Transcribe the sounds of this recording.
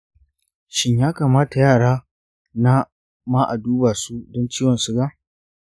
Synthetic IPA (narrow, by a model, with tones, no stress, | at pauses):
ʃɪ˦ɲjaː˦ka˨maː˦ta˨jaː˦˨ɽaː˦ | na˦ | maː˦ʔa˨duː˦ba˨su˦dɔ˦nt͡ʃiː˦wɔ˨nsu˦ɡa˦ʔ